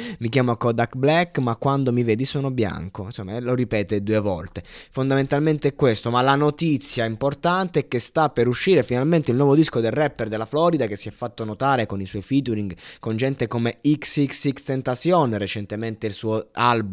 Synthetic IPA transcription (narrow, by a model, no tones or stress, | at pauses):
mik̬jaːmoakɔd̪akblɛkːmakːwand̪omivɛːd̪isoːnobja̰ŋkonsomːaɛloɾipɛːt̪ed̪uːevɔ̰lt̪efond̪ament̪alment̪eɛkːwest̪omalanot̪it̪sːjaimport̪ant̪eɛkːest̪apːeɾuʃːiːɾefinalment̪eilnwɔːvod̪iskod̪elrɛpːerd̪elːaflɔːɾid̪ak̟esːiɛfːat̪ːonot̪aːɾekoniswɔjfit̪uɾiŋɡkond͡ʒɛnt̪ekomeiksiksikst̪ent̪asjoːnret͡ʃent̪ement̪eilsuːoalbu